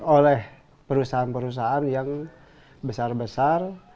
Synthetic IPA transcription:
olɛh | pəɾusaanpəɾus̬aanjaŋ | bəsarbəsar

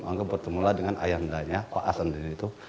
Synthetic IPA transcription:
aŋɡabərt̪əmuladəŋanʔa̰jaɦəndaɲapaʔasandənit̪u

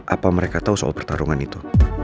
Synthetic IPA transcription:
ʔapaməɾekat̪ausəa̰lapərt̪aɾuŋanit̪u

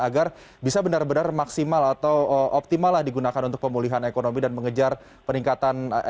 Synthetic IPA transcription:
aɡar | bisabənarbənarmaksimalat̪awəʔop̚t̪imalːahdiɡunakanunt̪ʊk̚pəmuliɦanekonomidanməŋəd͡ʒar | pəniŋkat̪an

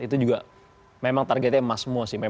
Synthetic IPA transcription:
it̪ud͡ʒuɡa | memaŋt̪arɡɛt̪̚ɲamasmuasɪhme

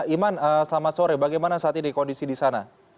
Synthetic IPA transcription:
imanəsəlamat̪soɾɛbaɡajmanasaat̪idikɔndisidisana

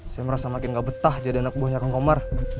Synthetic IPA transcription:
sajaməɾasamakɪnɡaʔbət̪ahd͡ʒadianak̚buahɲakaŋkomar

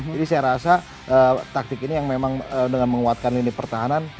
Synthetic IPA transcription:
adisajaɾasa | ʔəːt̪ak̚t̪ɪkinijaŋmemaŋədəŋanməŋuat̪̚kanlinɪpərt̪aɦanan

